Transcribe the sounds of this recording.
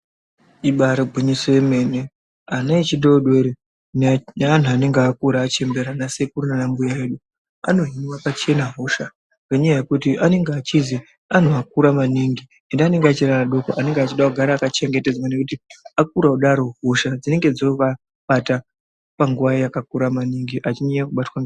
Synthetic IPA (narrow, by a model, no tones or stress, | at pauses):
iɓaɾobʱuɲisojeme̞ːne | anait͡ʃiɗoɗeɾe | nnan̤uane̞ŋɡeakuɾaːt͡ʃe̞mbe̞ɾanase̞kurunanambujaeɗu | a̰no̞ɦiniwapat͡ʃe̞naɦoʃa | raɲajaje̞kutiʔane̞ŋɡeaːt͡ʃizi | an̤uak̚uɾamaniŋɡi | e̞ndeane̞ŋɡeat͡ʃeɾanaɗo̞koʔane̞ŋɡeat͡ʃiɗauɡʱaɾaːkat͡ʃe̞ŋɡe̞te̞d͡zwane̞kutiak̚uɾauɗaɾo̞ɦoʃad͡zine̞ŋɡe̞d͡zoka | ɓata | paŋɡuʋaijakak̚uɾamaniŋɡiʔat͡ʃineakuɓatwaŋɡ